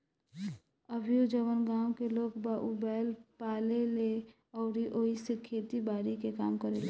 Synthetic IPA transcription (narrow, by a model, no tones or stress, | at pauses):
əbʱijod͡ʒəʋənɡãwkelokbaʔubɛlpalele | ɔʊɾiʔoisekʰet̪ibaɾikekamkəɾele